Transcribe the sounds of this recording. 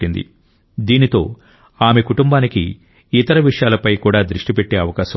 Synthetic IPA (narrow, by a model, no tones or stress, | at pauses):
ind̪ḭ | d̪iːnit̪o̞ː | aːme̞kuʈumbaːnikḭː | t̪ɐɾɐʋiʂɐjaːlɐpɐjkuːɽaːd̪ɾuʂʈipeʈːe̞ːɐʋɐkaːsɐ